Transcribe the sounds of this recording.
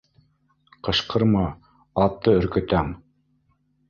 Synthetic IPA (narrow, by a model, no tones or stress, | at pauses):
qɤ̆ʃqɤ̆ɾmɑ | ɑt̪ːɤɵ̆ɾkɵ̆t̪æm